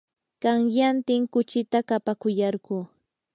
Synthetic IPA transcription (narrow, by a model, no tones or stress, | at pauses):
kɑŋjant̪ɪŋkʊt͡ʃɪt̪akapakʊjɑɾɢuː